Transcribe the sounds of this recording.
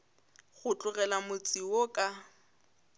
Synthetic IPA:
ɣʊt͡ɬʼʊɣɛlamʊt͡sʼiwokʼa

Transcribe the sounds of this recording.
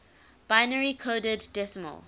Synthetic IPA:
b̥aɪnəɹikʰoːdədːɛsəmə̰l

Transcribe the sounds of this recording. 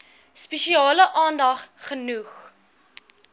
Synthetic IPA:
spɛʃiɑːləʔɑːndɐχχənuχ

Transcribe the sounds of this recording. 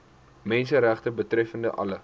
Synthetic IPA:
mɛnsəɾæχtəbətrɛfəndə̰ʔɐ̰lə

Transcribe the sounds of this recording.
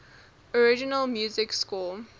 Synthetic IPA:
ɔɹɪd͡ʒɪnəlmjuːzɪkskul

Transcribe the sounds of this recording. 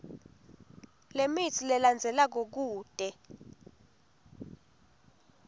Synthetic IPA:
lemit͡sʰilɛland͡zʱɛlak̬ok̬uːd̥ʱʼɛ

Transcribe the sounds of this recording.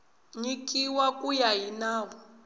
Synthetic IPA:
ɲikʼiwakʼujaɦinaːwɔ

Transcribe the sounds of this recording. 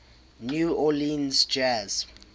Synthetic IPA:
njuɔlĩnzd͡ʒɛz̥

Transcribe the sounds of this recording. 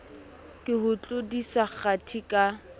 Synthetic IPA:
kʼɪɦʊt͡ɬʼodisak͡xatʰikʼa

